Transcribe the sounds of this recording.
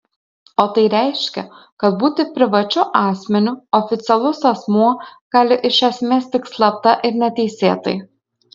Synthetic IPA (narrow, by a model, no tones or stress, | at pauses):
oːt̪ɐɪɾʲɛɪʃʲkʲɛ̰ | kɐt̪buːt̪ʲɪpʲɾʲɪʋɐt͡ʃʲʊʔɑːsʲmʲɛnʲʊɔfʲɪt̪sʲɛlˠʊsɐsmuɔɡ̥ɑːlʲɪʔɪʃʲɛsʲmʲeːst̪ʲɪkslˠɐp̚t̪ɐʔɪɾnʲɛt̪ʲɛɪsʲeːt̪ɐ̰ɪ